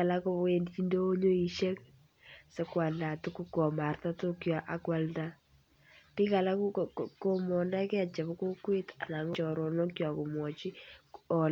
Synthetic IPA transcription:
a˨la˦ko˦e˨ndt͡ʃi˦ndo˦ɲo˦i˨ʃe˦k | sɛ˦kwa˨nda˨tu˦kːu˦kɔ˨ma˨rta˦tʊ˦kjɔ˨ʔa˨kwa˦lnda˦ | pi˦ka˨la˦kko˦mɔ˨nda˦ke˦a˨t͡ʃa˨βko˦kwe˦ta̰˨na˨ŋ˦t͡ʃɔ˨ɾɔ˨nɔ˦kjɔ˨ko˨mwɔ˨t͡ʃi˦ɔ˨

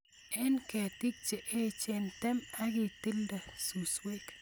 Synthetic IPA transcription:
ɛ˦nkɛ˨ti˦k̚t͡ʃe˨ʔe˦t͡ʃe˦nt̪ɛ˦ma˦ɡi˨t̪i˦lda˨su˨swe˦k

